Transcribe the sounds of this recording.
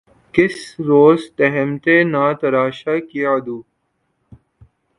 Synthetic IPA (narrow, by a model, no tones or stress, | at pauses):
kɪsɾoːzt̪ɐɦɛmt̪enaːt̪ɐɾaːʃakiad̪uː